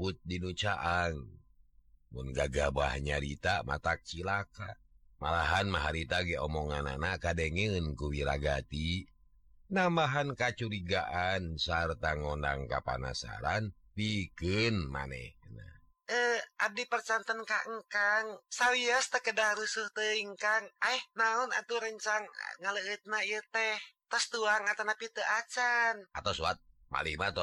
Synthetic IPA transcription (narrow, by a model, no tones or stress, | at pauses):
ut̪̚dinut͡ʃaʔaŋ | munɡaɡaba̰hɲaɾit̪ama̰t̪ak̚t͡ʃilakamalaɦanmaɦaɾit̪aɡɛɔmɔŋana̰nakadɛŋɛɨnkuwiɾaɡat̪i | nambaɦankat͡ʃuɾiɡaʔansart̪aŋɔndaŋkapa̰na̰sa̰ɾan | pikɨnma̰nɛ̰hna̰ | əʔab̚dipərt͡ʃant̪ənkaʔŋkaŋsawiast̪əkədahɾusuht̪əiŋkaŋaɛhnaɔna̰t̪uɾəɲt͡ʃaŋ̰ŋaləət̪̚naijət̪ɛht̪əst̪uaŋat̪anapit̪əʔat͡ʃanat̪asuat̪̚ma̰lihmat̪ɔ